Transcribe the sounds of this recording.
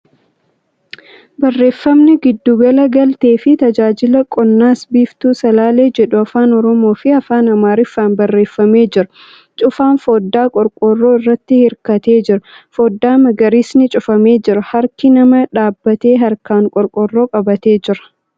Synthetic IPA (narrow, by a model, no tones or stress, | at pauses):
bɐrːe̞ːfːɐmnɪɡɪd̪ːuːɡɐlɐɡɐlt̪e̞ːfɪt̪ɐd͡ʒaːd͡ʒɪlɐkʼɔnːaːsbiːft̪uːsɐlaːle̞ːd͡ʒɛᶑʊɐfaːnɔɾɔmo̞ːfɪɐfaːnɐmaːɾɪfːaːnbɐrːe̞ːfːɐme̞ːd͡ʒɪɾɐ | t͡ʃʼʊfaːnfo̞ːd̪ːaːkʼɔɾkʼorːo̞ːɪrːɐt̪ːɪhɪɾkɐt̪e̞ːd͡ʒɪɾɐfo̞ːd̪ːaːmɐɡɐɾiːsnɪt͡ʃʼʊfɐme̞ːd͡ʒɪɾɐhɐɾkɪnɐmɐᶑaːbːɐt̪e̞ːɦɐɾkaːŋkʼɔɾkʼɔrːo̞ːkʼɐbɐt̪e̞ːd͡ʒɪɾɐ̥